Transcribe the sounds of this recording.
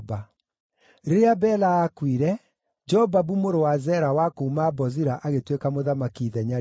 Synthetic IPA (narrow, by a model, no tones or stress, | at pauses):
ba | ɾeabɛlaːkwiɾɛ | d͡ʒɛɔbabumoɾowazɛɾawakoumabɔziɾaʔaɣetwekamoðamakiðɛɲa